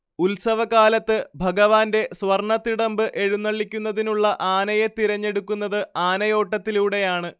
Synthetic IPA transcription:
ulsɐʋɐkaːlɐt̪ːɨbʱɐɡɐʋaːnde̞sʋɐrɳɐt̪ːiɽɐmbɨʔe̞ɻunːɐɭːikʲːunːɐðinuɭːɐʔaːnɐje̞t̪iɾɐɲːe̞ɽukːun̪ːɐðɨaːnɐjo̞ːʈːɐt̪ːiluːɽe̞jaːɳɨ

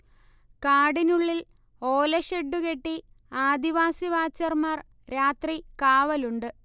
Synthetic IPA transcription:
kaːɽinuɭːil | oːlɐɕeɖːuke̞ʈːi | aːd̪iʋaːsiʋaːt͡ɕːɐrmaːr | ɾaːt̪rikaːʋɐluɳɖɨ

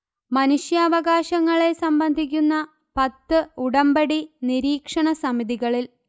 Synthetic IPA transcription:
mɐnuʂjɐːʋɐɣaːɕɐŋːɐɭe̞sɐmbɐnd̪ʱik̬ʲːunːɐ | pɐt̪ːɨuɽɐmbɐɽiniɾiːkʂɐɳɐsɐmiðiɣɐɭil

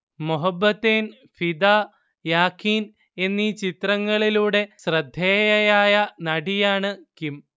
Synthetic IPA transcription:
muɦɐbːɐt̪ːeːn | fid̪aː | jaːkʰiːn | e̞nːiːt͡ɕit̪rɐŋːɐɭiluːɽe̞srɐd̪ʱːeːjɐjaːjɐnɐɽijaːɳɨkim

